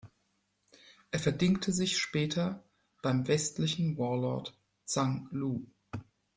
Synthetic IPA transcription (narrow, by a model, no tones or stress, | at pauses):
ʔeːɐfɛɐdɪŋktʰəzɪçʃpɛːtʰɐ | b̥aɪmvɛstlɪçn̩wɔɐlɔ̰ɐt | t͡saŋluː